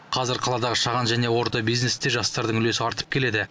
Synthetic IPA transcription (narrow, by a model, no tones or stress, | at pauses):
qʰɑzɪɾqʰɑlˠɑd̪ɑʁəʃɑʁɑnʒæne̞wo̞ɾt̪ɑbijznest̪eʒɑst̪ɑɾd̪əɴʏle̞sɪɑɾt̪ə̥p̚kʲʰe̞le̞d̪ɪ